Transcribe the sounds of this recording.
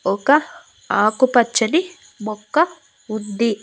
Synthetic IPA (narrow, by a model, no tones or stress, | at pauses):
ɔkɐ | aːkupɐt͡ʃːɐni | mɔkːɐ | und̪i